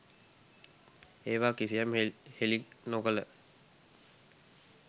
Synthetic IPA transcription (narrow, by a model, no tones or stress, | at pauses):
eːʋaːkisijamehelinokələ